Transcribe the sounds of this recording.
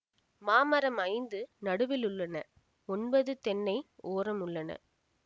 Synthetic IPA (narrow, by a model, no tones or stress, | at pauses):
maːmɐɾɐmɐɪnd̪ɯnɐɽɯʋɪlʊɭːɐnɐ | ɔnbɐðɯt̪ɛnːɐɪoːɾɐmʊɭːɐnɐ̰